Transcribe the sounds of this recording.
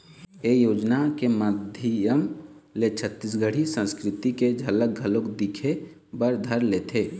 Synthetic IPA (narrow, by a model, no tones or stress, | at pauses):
ejoːd͡ʒnakeməd̪ʱəjəmlet͡ʃʰət̪ːis̬ɡʱəɽ̤isə̃nskɾɪt̪iked͡ʒʱələk̚ɡʱəlokd̪ɪkʰe | bəɾd̪ʱəɾleːt̪ʰeː